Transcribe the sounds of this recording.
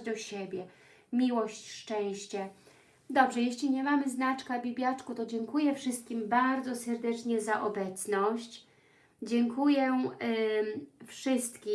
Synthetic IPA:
d̪ɔɕɛbʲjɛ | mʲiwɔɕt͡ɕʂt͡ʂɛ̃w̃ɕt͡ɕɛ | d̪ɔbʐɛjɛɕlʲiɲɛmamɘznat͡ʂkabʲibʲjat͡ʂkut̪ɔd͡ʑɛŋkujɛfʂɘst̪̚kʲimbaɾd̪zɔsɛɾd̪ɛt͡ʂɲɛzaʔɔbɛt̪snɔɕt͡ɕ | d͡ʑɛŋkujɛ | fʂɘst̪kʲi

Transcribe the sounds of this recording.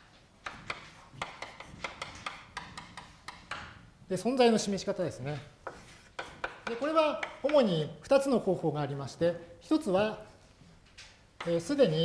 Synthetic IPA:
d̪e̞sõ̞nzaino̞ɕime̞ɕi̥kat̪ad̪e̞sɨne̞ | d̪e̞ko̞ɾe̞βaomo̞ɲ̟iɸɯ̟t̪at͡sɨno̞ho̞ːho̞ːɡaːɾʲimaɕi̥t̪e̞çi̥t̪o̞t͡sɨβa | sɨd̪e̞ɲ̟i

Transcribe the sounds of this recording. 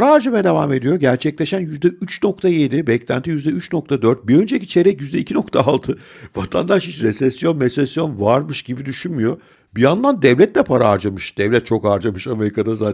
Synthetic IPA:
pʰaɾaaɾd͡ʒamajad̪e̞vame̞d̪ijo̞ɟæɾt͡ʃʰɛclʲeʃænjyzd̪ɛyt͡ʃno̞kt̪ʰaje̞d̪ibɛclʲæ̰nt̪ʰijyzd̪ɛyt͡ʃno̞k̚t̪ʰad̪øɾt̪̚biø̞nd͡ʒecit͡ʃʰe̞ɾɛcjyzd̪ɛicʰino̞kt̪ʰaːlˠt̪ʰɯvat̪ʰa̰nd̪aʃhit͡ʃɾɛsɛsːjo̞nmesɛsjo̞nvaɾmɯʃɟibid̪yʃynmyjo̞ | bijand̪ˠand̪ɛvlʲɛt̪lʲɛpʰaɾaːɾd͡ʒamɯʃd̪̥ɛvlʲɛt̪̚t͡ʃʰo̞kaɾd͡ʒamɯʃame̞ɾikʰad̪asaːt̪

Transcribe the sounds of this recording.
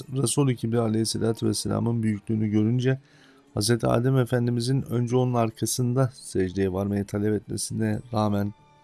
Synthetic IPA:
ɾasolˠecʰibd̪ialʲeisːelʲaːt̪ʰuvɛsːelʲa̰ːmɯnbyjyclʲyːnyɟø̞ɾynd͡ʒɛ | hazɾet̪ʰia̰ːd̪ɛmefænd̪imizinø̞nd͡ʒɛonunaɾkʰasɯnd̪asɛd͡ʒd̪ejɛvaɾmajat̪ʰalʲɛpɛt̪mḛsind̪ɛɾaːmæn

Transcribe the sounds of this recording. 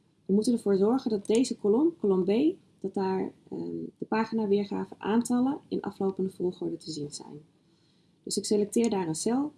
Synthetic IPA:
ʋəmutənəɹvʊːɹzɔɹχəndɑt̚dejzəkolɔmkolɔmbej | d̥ɑt̚daːɹ | d̥əpaːχinaːʋɪːɹχa̰ːvəʔa̰ːntɑləɪ̰nʔɑ̰flowpəndəvolˠχɔɹdətəzinzɛ̰jn | d̥ɵsɪkselɛk̚tɪːɹdaːrənsɛlˠ

